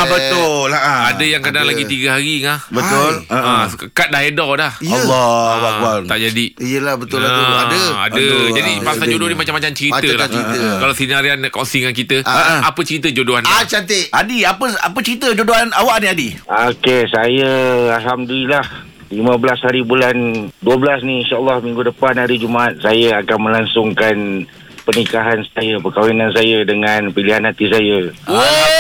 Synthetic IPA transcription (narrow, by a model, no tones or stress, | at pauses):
bət̪ʊaadəjaŋkadaŋlaɡit̪iɡəɦaɾiŋahbət̪ʊlə̃kəkat̪̚daɦedalahilːɔɦuabalt̪aʔd͡ʒadiijəlahbətʊladəa̰dəd͡ʒadipasad͡ʒodonimat͡ʃamːat͡ʃamt͡ʃəɾit̪əlait̪əkalasinaɾiankɔnsiŋankit̪əapət͡ʃəɾit̪əd͡ʒodoanat͡ʃant̪eʔadiapəa̰pət͡ʃəɾit̪əd͡ʒodoanawaʔniadiokesajəalɦamdəlilah | limə̃bəlashaɾibulanduəbəlasniinʃaʔəlːɔhmĩŋɡudəpanɦaɾid͡ʒumaʔat̪̚sajəakanmə̃laŋsʊŋkan | pənikaɦansajəpəkawinãns̬ajədəŋãnpiliɦanɦat̪is̬ajə